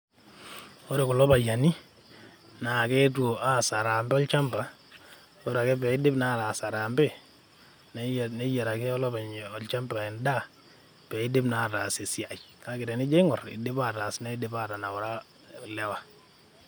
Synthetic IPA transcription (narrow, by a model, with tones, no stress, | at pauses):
o˦ɾe˨kʊ˨lɔ˦pa˨ja˨ni˦ | na˨ke˦two˨ʔa˦˨sa˨ɾa˨mbɛ˦ɔ˦lt͡ʃa˦mba˨ | o˦ɾa˨kɛ˦pɛ˨i˦dɪ˦pna˦˨ta˨sa˨ɾa˨mbe˦ | nne˦jɛ˨ɾa˨kɛ˦ɔ˦lɔ˦pa˨ɲ˨ɔ˨lt͡ʃa˦mba˨ɪ˨nda˦ | pɛ˨i˦dɪ˦bna˨ta˨se˨sja˨t͡ʃ | ka˦kɪ˨tɛ˨nɪ˦d͡ʒe˦ŋɔ˨rɪ̰˨dɪ˦pa˦˨ta˨sna˦dɪ˦pa˦˨ta˨na˨wɔ˨ɾa˦˨ | lɛ˦wa˨